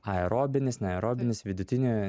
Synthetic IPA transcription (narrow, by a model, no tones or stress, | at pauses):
ɐɛɾoːbʲɪnʲɪsnʲɛɐɛɾoːbʲɪnʲɪsʋʲɪd̪ʊt̪ʲɪnʲu